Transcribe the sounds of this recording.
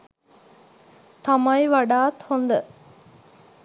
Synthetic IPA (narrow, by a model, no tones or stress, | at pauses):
t̪ɐmɐjʋɐɖaːt̪hond̪ə